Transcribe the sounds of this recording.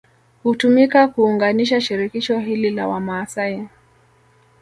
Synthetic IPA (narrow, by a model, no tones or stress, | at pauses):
hutumikakuːŋɡaniʃaʃiɾikiʃɔɦilila̰wamaːsai